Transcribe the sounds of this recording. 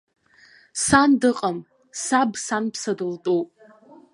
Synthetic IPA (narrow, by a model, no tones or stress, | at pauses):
sandɨqʼam | sabsanpʰsadɨltʼupʼ